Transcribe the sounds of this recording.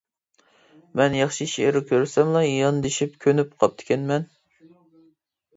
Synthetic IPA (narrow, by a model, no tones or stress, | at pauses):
mɛnjɑχʃiʃeɾɪkʲʰøɾsɛmlˠɑjɑnd̪eʃip̚kʲʰønyp̚qʰɑp̚t̪ʰɪ̥kʲʰɛnmɛn